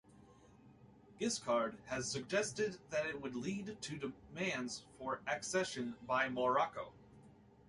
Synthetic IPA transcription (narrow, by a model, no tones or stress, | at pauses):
ɡ̥ɪskʰɑɹd̚ɨz̥sɨɡ̚d͡ʒɛstɨd̪̚ðɨɾɪt̚wədˡlidtʰɨdɨmæ̃ndz̥fə˞ʔɨksɛʃɨ̃nbaɪməɹɑkoʊ